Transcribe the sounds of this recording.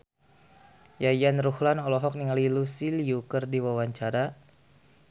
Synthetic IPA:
jajanruhlanɔlɔɦɔk̚niŋalilusiljukərdiwawaɲt͡ʃaɾa

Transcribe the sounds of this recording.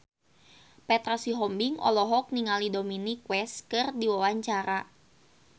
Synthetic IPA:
pɛt̪ɾasiɦɔmbiŋɔ̰lɔɦɔk̚niŋalidominikwɛskɨrdiwawaɲt͡ʃaɾa

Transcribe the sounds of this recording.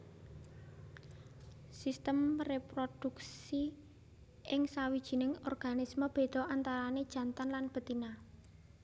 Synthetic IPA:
sist̪əmrepɾod̪̥uksi | ɪŋsawid̥ʒ̥i̤nɪŋɔrɡ̥anisməb̥e̤d̪̥ɔ̤ant̪aɾaned̥ʒ̥ä̤nt̪anlanb̥ə̤t̪ina

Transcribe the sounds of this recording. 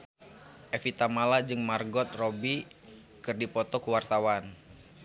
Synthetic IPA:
ʔefit̪amalad͡ʒɨŋmarɡɔt̪̚robi | kɨrdipɔt̪ɔkuwart̪awan

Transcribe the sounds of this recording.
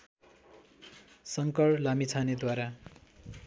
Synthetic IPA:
sʌŋkʌɽlamit͡sʰaned̪waɾa

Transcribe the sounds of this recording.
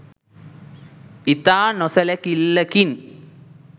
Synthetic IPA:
it̪aːnosəlekilːəkin

